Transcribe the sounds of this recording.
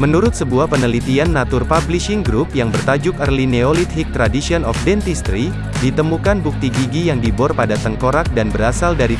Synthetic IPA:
mənuɾʊt̪̚səbuahpənəlit̪ianːat̪ʊrpabliʃɪŋɡɾupjaŋbərt̪ad͡ʒʊk̚ərlineolit̪hik̚t̪ɾadisiɔnɔfdɛnt̪ist̪ɾi | dit̪əmukanbuk̚t̪iɡiɡijaŋdibɔrpadat̪əŋkoɾak̚danbəɾasaldaɾi

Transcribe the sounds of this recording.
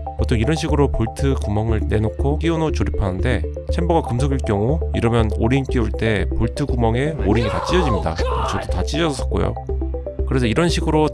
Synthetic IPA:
potʰoŋiɾʌnɕʰiɡɯɾopoɭtʰɯkumʌŋɯɭne̞nokʰok͈iunot͡ɕoɾipʰanɯnde̞ | t͡ɕʰemboɡakɯms̬ʰoɡiɭk͈jʌŋuiɾʌmjʌnoɾink͈iuɭt͈e̞poɭtʰɯɡumʌŋe̞oɾiɲitat͡ɕ͈id͡ʑʌd͡ʑimɲida̰t͡ɕʌdotat͡ɕ͈id͡ʑʌsʰʌk͈o̰jo̰ | kɯɾe̞sʰʌiɾʌnɕʰiɡɯɾo

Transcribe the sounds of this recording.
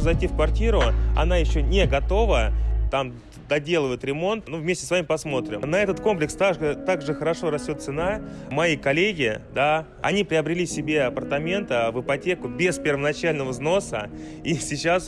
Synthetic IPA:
zɐjtʲifkvɐrtʲiɾʊɐ̰n̪ajɪɕːo̞nʲeɡɐt̪o̞vət̪am | d̪ɐdʲe̞lˠəvəɪt̪ɾʲɪmo̞nt̪nuvʲmʲesʲtʲɪ̥svamʲɪpɐsmo̞t̪ɾʲɪ̰mnɐɛt̪ət̪ko̞mplʲɪkst̪aʐɨt̪aɡʐɨxəɾɐʂo̞ɾɐsʲtʲo̞t̪sɨnamɐikɐlʲeɡʲɪd̪a | ɐ̰nʲipɾʲɪɐbɾʲɪlʲisʲɪbʲe̞ɐpərt̪ɐmʲe̞nt̪əvɨpɐtʲe̞kʊbʲɪspʲɪrvənɐt͡ɕælʲnəvəzno̞sə | isʲɪt͡ɕːas

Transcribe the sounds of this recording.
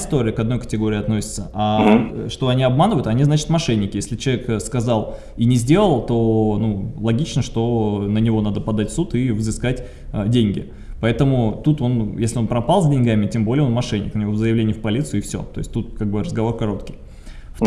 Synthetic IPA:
ɪst̪o̞ɾʲɪəkɐd̪nojkə̥tʲɪɡo̞ɾʲɪːɐt̪no̞sʲɪ̥t̪səʔaʂt̪o̞ɐnʲiɐbmanəvəjʊt̪ɐnʲiznat͡ɕɪ̥t̪mɐʂɛnʲːɪkʲɪjesʲlʲɪt͡ɕɪlˠɐvʲekskɐzɑlˠ | inʲɪzʲdʲe̞lˠəlˠt̪o̞nulˠɐɡʲit͡ɕnəʂt̪o̞nənʲɪvo̞nad̪əpɐd̪atʲfsut̪ɪvzɨskatʲ | ədʲenʲɡʲɪ̰ | pɐɛt̪əmʊt̪ut̪o̞njesʲlʲɪo̞npɾɐpɑlˠzʲdʲɪnʲɡamʲɪtʲembo̞lʲɪjo̞nmɐʂɛnʲːɪ̰knnʲɪvo̞vzəjɪvlenʲɪjfpɐlʲit̪sɨʊɪfsʲo̰t̪o̞ɪsʲtʲt̪ut̪̚kaɡ̚bɨrəzɡɐvo̞rkɐɾo̞t̪kʲij | f

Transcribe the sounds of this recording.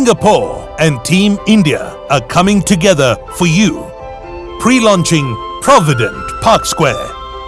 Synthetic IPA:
ɪ̃ŋɡəpʰɔ | ɨ̃ntʰĩmɪ̃ndiə̰ | əkʰʌmɪ̃ŋtʰɨɡɛðə˞fəju | pʰɹ̥ilɔ̃nt͡ʃɪ̃ŋpʰɹ̥ɑvɨdɨ̃npʰɑɹkskwɛ̰ɹ

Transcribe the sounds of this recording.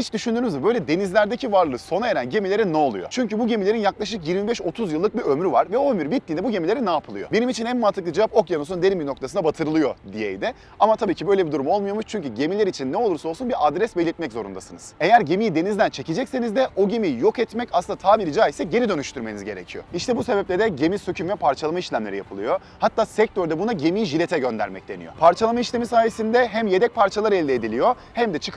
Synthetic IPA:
hit͡ʃd̪yʃynd̪yɾymizɛbø̞jlʲɛd̪e̞nizlʲæɾd̪ecivaɾlˠɯːso̞nae̞ɾænɟe̞milʲe̞ɾinːɛo̞lˠṵjo̞̰t͡ʃʰyɲcybuɟe̞milʲe̞ɾinjaklˠaʃ̬ɯk̬jiɾmibɛʃo̞t̪ʰuzjɯlˠːɯk̚biømɾyvaɾvɛo̞ømyɾbit̪lːiːnɛbuɟe̞milʲeɾinaːpʰɯlˠɯjo̞̰benimit͡ʃʰinænmat̪ʰɯklˠɯd͡ʒevapo̞kjanosund̪eniminok̚t̪ʰasɯnabat̪ʰɯɾɯlˠɯjo̞̰d̪ijḛjd̪ɪ | amat̪ʰabiːcʰibø̞jlʲebid̪uɾumo̞lˠmujamuʃt͡ʃʰyɲcyɟe̞milʲeɾit͡ʃʰinːɛolˠuɾso̞lˠsunbiɾʔad̪ɾɛsbelʲiɾt̪̚mɛczo̞ɾṵnd̪asɯnɯz̥e̞jæɾɟe̞mijid̪e̞nizd̪ænt͡ʃʰe̞ced͡ʒɛcse̞nizd̪ɛʔo̞ɟemijjo̞kɛt̪mɛcasɯnat̪ʰaːvilʲid͡ʒaːisɛɟe̞ɾid̪ø̞nyʃt̪ʰyɾme̞nizɟe̞ɾecʰijo̞̰iʃt̪ʰɛbuse̞bɛplʲed̪ɛɟe̞misøcʰymvɛpʰaɾt͡ʃʰalˠamaiʃlʲæmlʲeɾijapʰɯlˠɯjo̞ | hat̪ːaːsɛc̚t̪ʰøɾd̪ɛbunaɟe̞mijiʒilʲe̞t̪ʰɛɟø̞nd̪æ̰ɾmɛc̚d̪e̞nḭjo̰pʰaɾt͡ʃʰalˠamaiʃlʲemisaːje̞sind̪ɛɦæmje̞d̪ɛc̚pʰaɾt͡ʃʰalˠaɾɛlʲd̪ɛːd̪ilʲijo̞ | hæmd̪ɛt͡ʃʰɯ̥k

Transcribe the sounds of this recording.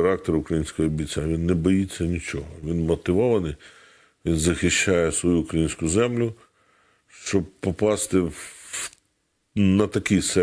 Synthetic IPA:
ɾɑk̚t̪eɾʊkɾɐjinʲsʲkɔɦɔːbʲit͡sʲaʋinːɛbɔjit͡sʲːɐnʲit͡ʃɔɦɔʋʲinmɔt̪ɪʋɔʋɐnɪj | ʋʲinzɐxɪʃt͡ʃajɛsʋɔjuːkɾɐjinʲsʲkʊzɛmlʲʊ | ʃt͡ʃɔb̚pɔpɑst̪ɪ | nɐt̪ɐkijsɛ

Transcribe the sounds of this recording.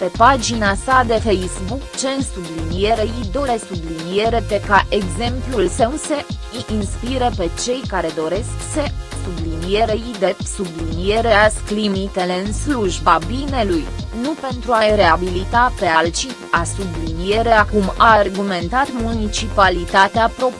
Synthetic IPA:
pe̞pad͡ʒinasad̪e̞fejsbukt͡ʃe̞nsublinije̞ɾeid̪o̞ɾe̞sublinije̞ɾe̞p̪e̞kaʔe̞ɡze̞mplulsewse̞ː | nspiɾepe̞t͡ʃe̞jkaɾe̞d̪o̞ɾe̞skse̞sublinije̞ɾeid̪e̞psublinije̞ɾeasklimit̪e̞le̞ɨnsluʒbabine̞lujnupe̞nt̪ɾuajɾe̞abilit̪ape̞alt͡ʃi | asublinije̞ɾe̞akumaːrɡume̞nt̪at̪munit͡ʃipalit̪at̪eapɾo̞p

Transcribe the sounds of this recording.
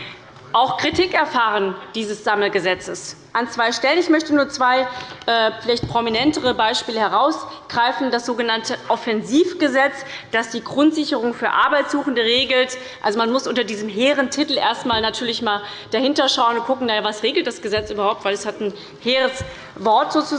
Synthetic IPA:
ʔaʊxkʁ̥itʰikɛɐfaːʁ̞ənd̥iːzəsz̥aml̩ɡəzɛt͡səs | ʔant͡sv̥aɪʃtɛlənɪçmœçtənuːɐt͡sv̥aɪʔɛfɪlaɪçt̚pʁ̥ominɛntəʁəbaɪʃpiːləhɛʁaʊs | ɡ̥ʁaɪfn̩dasz̥oːɡənantʰəʔɔfɛnziːfɡ̥əzɛt͡s | d̥asd̥iːɡʁʊntz̥ɪçəʁʊŋfyːɐʔa̰ɐbaɪtz̥uːxn̩dəʁeːɡl̩t | ʔalzomanmʊsʔʊntɐdiːzəmɦeːʁəntʰɪtl̩ʔḛːɐstmaːlnatʰyːɐlɪçmaːld̥ahɪntɐʃaʊənʊnkʰʊkŋ̩najavasʁeːɡl̩t̚d̥asɡ̥əzɛt͡sʔyːbɐhaʊptv̥aɪlɛshatn̩ | heːʁəs | vɔɐtz̥oːt͡su

